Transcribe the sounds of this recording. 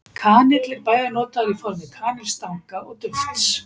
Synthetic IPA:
kʰaːnɪt̪lɪɾpaːjðanɔːt̪aɾifɔɾmɪkʰaːnɪlst̪aŋkaʔɔɣt̪ʏft̪s

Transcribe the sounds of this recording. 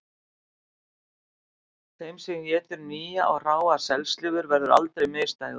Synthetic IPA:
θejmsɛmjɛːt̪ʏɾniːjaʔɔɣr̥aːwḁsɛlst̪lɪɣʏɾvɛɾðʏɾa̰lt̪ɾejmɪːst̪aːj

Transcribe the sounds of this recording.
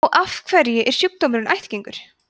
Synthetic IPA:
wʔafkʰvɛɾjɪʔɛɾ̥sjuk̚t̪omɪɾʏnajht̪ciŋkʏɾ̥

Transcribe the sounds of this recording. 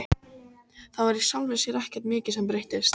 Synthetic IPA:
θavaɾisalvɪsjɛɾahcɛɾ̥t̪mɪːcɪsɛmpɾejht̪ɪst̪

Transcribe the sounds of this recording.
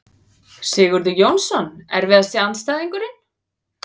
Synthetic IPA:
sɪːɣʏɾðʏjownsɔnɛɾvɪðasiant̪st̪aːðiŋkʏɾɪn̥

